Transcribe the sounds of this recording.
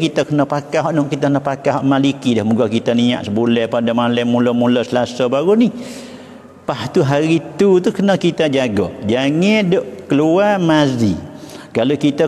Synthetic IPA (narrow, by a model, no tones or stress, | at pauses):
kit̪akənəpakaɦɔʔnʊʔkit̪akənəpakaɦɔʔmalikidahmuɡɔkit̪ania̰ʔsəbulɛhpadamalamːulɔmuləsəlasabaɾunih | paht̪uɦaɾit̪ut̪ukənəkit̪ad͡ʒaɡɔ̰ʔd͡ʒaŋɪdoʔkəluamazḭkalokit̪a